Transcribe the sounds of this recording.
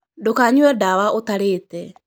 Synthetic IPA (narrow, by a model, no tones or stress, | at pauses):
dokaɲwɔdawaʔotaɾeːtɛ